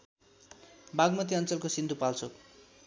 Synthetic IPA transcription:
baɡmʌt̪̬iʌnt͡sʌlkosind̪ʱupalt͡sʰok

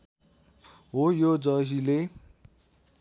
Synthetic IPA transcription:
ɦojod͡zʌsile

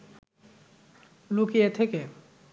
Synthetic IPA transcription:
lukiet̪ʰeke

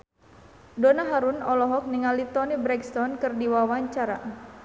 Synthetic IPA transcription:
donaɦaɾunɔlɔɦɔk̚niŋalit̪ɔnibɾɛkst̪ɔnkɨrdiwawaɲt͡ʃaɾa

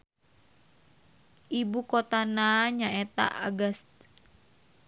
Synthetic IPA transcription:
ʔibukot̪anaɲaɛt̪a̰ʔaɡast̪̚

